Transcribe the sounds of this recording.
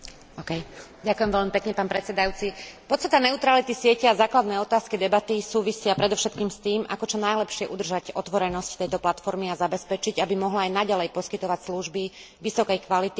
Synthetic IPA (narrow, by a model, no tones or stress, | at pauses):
ɔːkɛj | ɟakujɛmʋɛʎmipɛkɲɛpaːnpɾɛt͡sɛd̪ajuːt͡sipɔt̪st̪at̪anɛut̪ɾalit̪isɪɛcɛazaːklad̪nɛːɔt̪aːskid̪ɛbat̪isuːʋisɪapɾɛd̪ɔʊʃɛt̪kiːmst̪iːma̰kɔt͡ʃɔnajlɛpʃɪɛʔud̪r̩ʒacɔt̪ʋɔɾɛnɔsct̪ɛjt̪ɔplat̪fɔɾmiazabɛspɛt͡ʃiɟabimɔɦlaajnaɟalɛjpɔskit̪ɔʋacsluʒbi | ʋisɔkɛjkʋalit̪i